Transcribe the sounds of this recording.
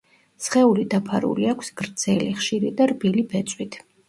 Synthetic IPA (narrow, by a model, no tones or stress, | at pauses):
sχɛulid̪apʰaɾṵliakʷʰsɡ̥ɾd̪zɛliχʃiɾid̪aɾbilibɛt̪sʼwit̪ʰ